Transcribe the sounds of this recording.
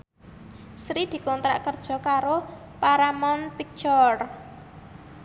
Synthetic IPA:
sɾid̪̥i̤kɔnt̪ɾa̰ʔkərd̥ʒ̥ɔ̤kaɾo | paɾamɔnpik̚t͡ʃɔr

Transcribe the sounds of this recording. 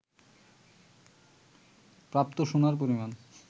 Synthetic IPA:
pɾapt̪oʃonaɾp̬oɾiman

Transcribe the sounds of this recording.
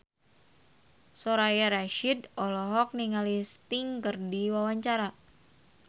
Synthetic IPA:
soɾajaɾaʃidɔlɔɦɔk̚niŋalist̪iŋkərdiwawaɲt͡ʃaɾa

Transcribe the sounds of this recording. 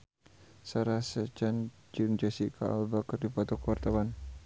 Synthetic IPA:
saɾasət͡ʃan | d͡ʒuŋd͡ʒasikʰa̰a̰lbakərdipɔt̪ɔkəwart̪awan

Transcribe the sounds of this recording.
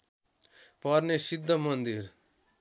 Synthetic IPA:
pʌɾnesid̪ʱːəmʌnd̪iɾ

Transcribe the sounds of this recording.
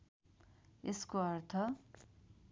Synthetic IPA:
eskoʌrt̪ʰʌ

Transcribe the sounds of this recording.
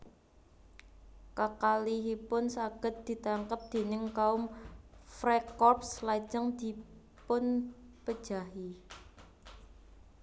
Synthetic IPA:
kəkaliɦipʊnsaɡ̥ə̤t̪̚d̪̥i̤t̪aŋkəp̚d̪̥e̤nɪŋkaʊmfɾekɔrp̚slḁd͡ʒəŋd̪̥i̤ | pʊn | pəd̥ʒ̥a̤ɦi

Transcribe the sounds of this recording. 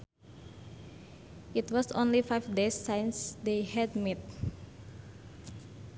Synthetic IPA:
ʔit̪wɔsõ̰nlifajfdesːajnsd̪ehɛd̪̚mɛt̪̚

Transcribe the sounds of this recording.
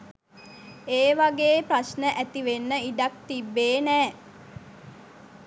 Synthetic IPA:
eːʋaɡeːprasnəʔæt̪iʋenːəiɖak̚t̪ibːeːnæː

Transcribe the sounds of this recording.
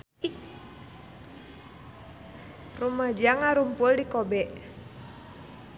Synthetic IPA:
rumad͡ʒaŋaɾumpʊldikɔbɛʔ

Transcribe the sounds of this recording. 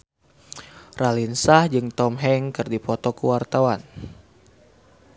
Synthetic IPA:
ralinsahd͡ʒɨŋt̪ɔmɦɛŋkɨrdipɔt̪ɔkuwart̪awan

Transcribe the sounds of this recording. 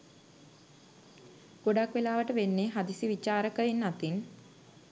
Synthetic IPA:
ɡ̥oɖakʋelaːʋəʈəʋenːeɦad̪isiʋit͡ʃaːɾəkəinːat̪in

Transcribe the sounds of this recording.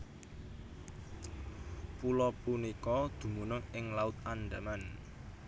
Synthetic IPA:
pulɔpunikɔd̪̥ṳmunʊŋɪŋlaʊt̪̚anɖaman

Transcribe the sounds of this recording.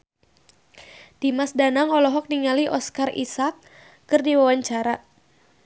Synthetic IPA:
d̥imasdanaŋɔlɔɦɔk̚niŋaliʔɔskarʔḭsakː | ɨrdiwawaɲt͡ʃaɾa

